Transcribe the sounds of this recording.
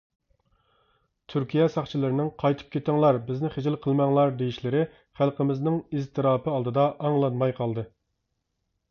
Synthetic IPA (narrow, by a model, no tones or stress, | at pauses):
t̪ʰyɾkʲijɛsɑχt͡ʃʰilˠɨɾɪnɪŋqʰɑjt̪ʰɨ̥p̚kʲʰet̪ɪŋlˠɑɾbɪznɪχed͡ʒɪlqʰəlˠmɑŋlˠɑɾd̪ejiʃlɪɾɪ | χælˠqəmɪznɪŋizt̪ʰɨɾɑːpɨɑlˠd̪ɨd̪ɑʔɑŋlˠɑnmɑjqʰɑlˠd̪ɨ